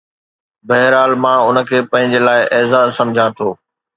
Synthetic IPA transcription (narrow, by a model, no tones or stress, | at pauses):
bɐɦɪɾaːlmãːʊnə̆kʰeːpɐ̃ɦɪ̃ɲd͡ʑelaːɪʔɛːzaːsɐ̃md͡ʑʱãt̪ʰoː